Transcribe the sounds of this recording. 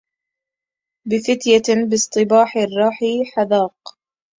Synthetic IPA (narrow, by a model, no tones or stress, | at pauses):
bɪfɪt̪jabɨsˤt̪ˤɨbaːħɪrˤːɑːħiħaðɑːq